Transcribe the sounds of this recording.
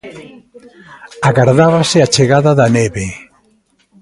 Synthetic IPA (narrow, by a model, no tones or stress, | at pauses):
aɣaɾðaβaseat͡ʃeɣaðaðaneβe